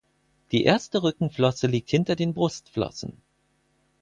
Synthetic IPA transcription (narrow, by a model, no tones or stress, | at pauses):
d̥iːʔḛːɐstəʁʏkŋ̩flɔsəliːk̚thɪntɐdeːnbʁʊstflɔ̰sn̩